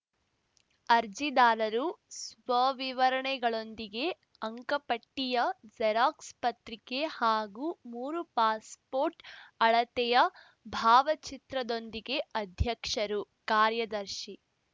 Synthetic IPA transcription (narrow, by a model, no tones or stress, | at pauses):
ɐɾd͡ʒid̪aːlɐɾusʋɐʋiʋɐɾɐɳɛɡɐɭo̞nd̪iɡe̞ | ɐŋkɐpɐʈːijɐd͡ʒɐɾaːkspɐt̪ɾikehaːɡumuːɾupaːspoːɾʈɐɭɐt̪ɛjɐ | bʱaːʋɐt͡ʃit̪ɾɐd̪o̞nd̪iɡe̞ɐd̪ʱjɐkʂɐɾukaːɾjɐd̪ɐɾʃi